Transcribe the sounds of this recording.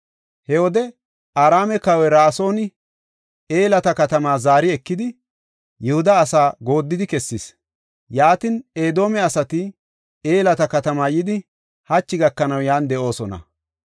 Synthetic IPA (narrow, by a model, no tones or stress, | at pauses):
hɛwɔd̪ɛ | aːɾaːmɛkɐwɛɾaːso̞ːnɪ | eːlɐt̪ɐkɐt̪ɐmaːzaːɾɪɛkːɪd̪ɪ | jɛhʊd̪ɐːsaːɡo̞ːd̪ːɪd̪ɪkɛsːɪs | jaːt̪ɪneːd̪o̞ːmɛɐsɐt̪ɪ | eːlɐt̪ɐkɐt̪ɐmaːjɪd̪ɪ | hɐt͡ʃːɪɡɐkːɐnɐwjaːnd̪ɛʔo̞ːsɔnɐ̰